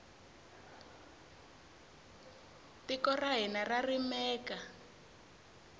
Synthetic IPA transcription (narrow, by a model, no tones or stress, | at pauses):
tikɔraɦinararimɛːka